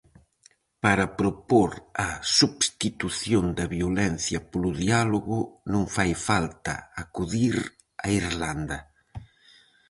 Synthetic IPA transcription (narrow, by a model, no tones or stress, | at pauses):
paɾɐpɾopoɾɐsuβst̪it̪uθjond̪ɐβiolɛn̟θjɐpolʊðialoɣʊnõŋfajfalt̪ɐ̰akuðiɾ | ɐ̰iɾland̪ɐ